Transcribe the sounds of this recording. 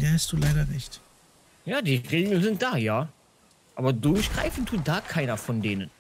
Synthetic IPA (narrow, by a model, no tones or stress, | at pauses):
deːhastd̥uːlaɪɾɐʁɛçt | jaːdiːʁeːɡl̩nzɪnt̚d̥aːjaː | ʔaːbɐdʊɐçɡ̥ʁa̰ɪfn̩tʰːuːt̚d̥aːkʰaɪnɐfɔndeːnən